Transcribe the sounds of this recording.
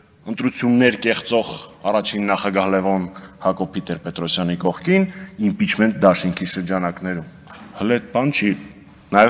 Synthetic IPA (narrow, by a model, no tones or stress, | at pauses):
ənt̪ɾut͡sʰjunːɛɾkɛχt͡sɔʁɑrɑt͡ʃʰinːɑχɑɡɑhlɛvɔnhɑkɔpʰit̪ɛɾpɛt̪ɾɔsjɑnikɔχkʰinimpit͡ʃʰmɛnt̪̚d̪ɑʃiŋkʰiʃəɾd͡ʒɑnɑknɛɾum | həlɛt̪̚bɑnt͡ʃʰi | nɑjɛ